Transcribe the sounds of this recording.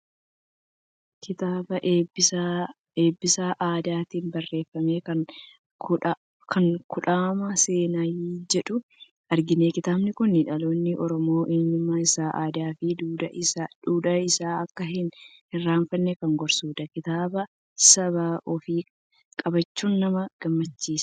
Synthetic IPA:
kɪt̪aːbɐʔ | eːbːɪsaʔaːd̪aːt̪iːnbɐrːe̞ːfːɐme̞ːkɐn | kʰɐŋkʊᶑaːmɐse̞ːnajiːd͡ʒɛᶑʊ | ɐɾɡɪne̞ːkɪt̪aːbnɪkʊnːɪᶑɐlo̞ːnːɪʔɔɾɔmo̞ːʔeːɲːɪmaːɪsaːʔaːd̪aːfɪd̪uːd̪ɐɪaᶑuːᶑɐɪsaːɐkːɐɦɪn | hɪrːaːɱfɐnːekɐŋɡɔɾsuːd̪ɐkɪt̪aːbɐ | sɐβaːʔɔfiː | kʼɐbɐt͡ʃːuːnːɐmɐɡ̥ɐmːɐt͡ʃːiːsɐ̥

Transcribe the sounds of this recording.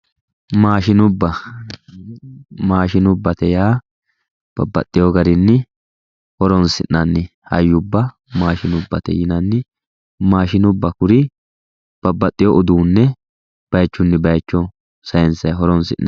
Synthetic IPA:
maːʃɪnʊbːɐ | maːʃɪnʊbːɐt̪ɛjaː | b̥ɐ̰bːɐ̰t̪ʼːɪjɔɡɐɾɪnːɪ | hɔɾɔnsɪʔnɐnːɪhɐ̰jːʊbːɐ | maːʃɪnʊbːɐt̪ɛ̰jɪnɐnːɪ | maːʃɪnʊbːɐkʊɾɪ | b̥ɐbːɐt̪ʼːɪjɔʔʊd̪uːnːɛ | b̥ɐjt͡ʃːʊnːɪbɐjt͡ʃːɔ | sɐjɛnsɐjɦɔɾɔnsɪ̰ʔnɐ

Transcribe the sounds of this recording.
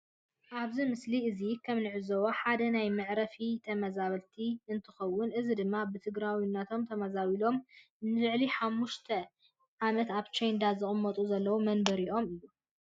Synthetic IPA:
ʔaβzimɨsliɨzikʰɐmnɨʕɨzɐwoħad̪ɐnajmɨʕɾɐfit̪ʰɐmɐzaβɐlt̪ʰiɨnt̪ʰɨxɐwːʊnʔɨzid̪ɨmːabɨt̪ʰɨɡɾawinːat̪ʰo̞mt̪ʰɐmɐzaβilo̞m | nɨlɨʕliħamːuʃt̪ʰɐ | ʕamɐt̪aβt͡ʃejnd̪azɨχʼɨmːɐt̪ʼuzɐlːɐwumɐnbɐɾiʔo̞mɨjːu

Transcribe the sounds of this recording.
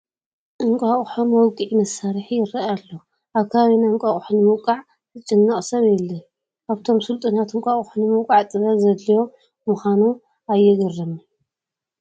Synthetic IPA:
ʔɨŋkʼaχʼħomːowkʼiʕimɐsaɾħijɪɾaaalːo | ʔaβkʰaβinaŋkʼaχʼħunɨmɨwkʼaʕ | t̪ʰɨt͡ʃʼɨnːaχʼsɐβjɛlːɐ | ʔaβt̪ʰo̞msɨlt̪ʼɨnat̪ɨŋkʼaχʼħunɨmɨwkʼaʕt̪ʼɨβɐzɐd̪ːijo̞ | mɨxʷanu | ajːɛɡɐrːɐm

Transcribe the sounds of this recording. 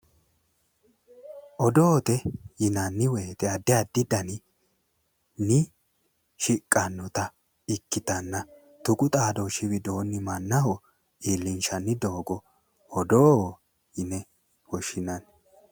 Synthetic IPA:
ʔɔd̪oːt̪ɛjɪnɐnːɪwɛjt̪ɛɐd̪ːɪɐd̪ːɪd̪ɐnɪ | nɪ | ʃɪkʼːɐnːɔt̪ɐ | ɪkːɪt̪ɐnːɐ | t̪ʊkʼʊt̪ʼaːd̪ɔʃɪβɪd̪o̞ːnːɪmɐnːɐɦɔ | iːlːɪnʃɐnːɪd̪o̞ːɡɔ | ɔd̪oː | jɪnɛ | wɔʃɪnɐn

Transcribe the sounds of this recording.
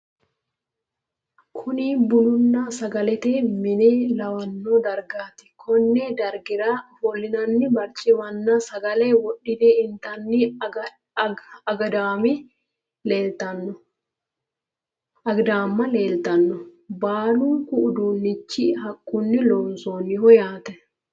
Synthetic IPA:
kʰʊniːbʊnʊnːaːsɐɡɐlɛt̪eːmɪneːlɐwɐnːoːd̪ɐɾɡaːt̪ɪ̥kʰɔnːɛd̪ɐɾɡɪɾaːholːɪnɐnːɪbɐɾt͡ʃʼɪwɐnːaːsɐɡɐleːwɔɗːɪd̪eːɪnt̪ɐnːi | ɐɡɐd̪aːmɪ | le̞ːlt̪ɐnːɔ | ɐɡd̪aːmːɐle̞ːlt̪ɐnːɔbaːluŋkʊʔʊd̪uːnːɪt͡ʃːɪɦɐkʼːʊnːɪloːnsoːnːɪhɔjaːt̪ɛ

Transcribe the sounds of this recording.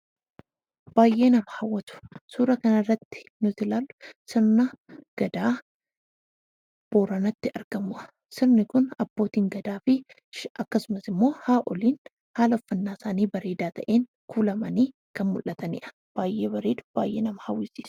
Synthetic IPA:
b̥aːjʔːeːnɐmɐhɐwːɐt̪ʊ̥suːɾɐkɐnɐrːɐt̪ːɪ̥nʊt̪ɪlaːlːʊ̥sɪɾnɐɡ̥ɐd̪aː | b̥o̞ːɾɐnɐt̪ːɪɐɾɡ̥ɐmʊʔɐ | sɪɾnɪkʊnɐb̥ːo̞ːt̪iːŋɡɐd̪aːfɪ | ɐkːɐsʊmɐsɪmːo̞ːhaːʔɔliːn | haːlɐfːɐnːaːsaːniːbɐɾeːd̪aːt̪ɐʔeːŋ | kʰuːlɐmɐniː | kɐnmʊlʔːɐt̪ɐnɪ̰ːʔɐ̥ | b̥aːjʔe̞ːbɐɾeːd̪ʊ̥b̥aːjʔḛːnɐmɐhɐwːɪsiːs

